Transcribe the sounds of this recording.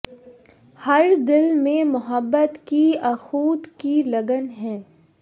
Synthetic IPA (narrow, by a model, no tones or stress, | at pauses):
hɐɾd̪ɪlmẽmʊɦəbːət̪kiɐxuːt̪kilɐɡənɦɛ̃ː